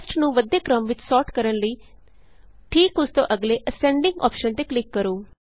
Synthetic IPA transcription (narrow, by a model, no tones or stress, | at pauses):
sʈnũːʋəd̪eːkɾəmʋɪt͡ʃsɔːʈkəɾənləiː | ʈʰiːkʊst̪õ̰ʔəɡleːʔəsɛ̃ɳɖɪ̃ŋɡɔ̰ːpʃənt̪eːklɪkːəɾoː